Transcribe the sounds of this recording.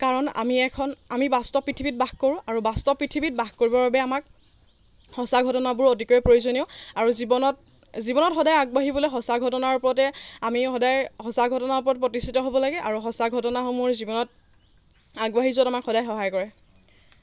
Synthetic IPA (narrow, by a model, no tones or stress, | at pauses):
kaɹɔna̰miɛkʰɔnamibastɔpɹitʰibit̚baxkoɹũaɹubastɔpɹitʰibit̚baxkoɹibɔɹbabɛamak̚ | hɔsaɡʱɔtɔnabʊɹotikojɛpɹojuzoniʊaɹuzibɔnɔt | zibɔnɔtxɔdajaɡ̚baɦibɔlɔxɔsaɡʱɔtɔnaɹupɔɹɔtɛamixɔdajhɔsaɡʱɔtɔnaɹp̬ɔɹɔt̚pɹɔtistʰitɔɦobɔlaɡɛʔaɹuxɔsaɡʱɔtɔnaɦomɔɹzibɔnɔt̚ | aɡbaɦizuɔtamakxɔdajxɔɦajkɔɹɛ